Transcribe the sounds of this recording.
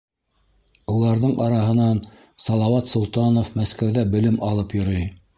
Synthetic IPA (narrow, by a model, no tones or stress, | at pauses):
ulˠɑɾðɤɴʔɑɾɑɦɤ̆nɑn | sɑlˠɑwɑt̪sŏlˠt̪ɑnofmæskæwðæbɘ̆lɘmʔɑlˠɤpjŏɾɤj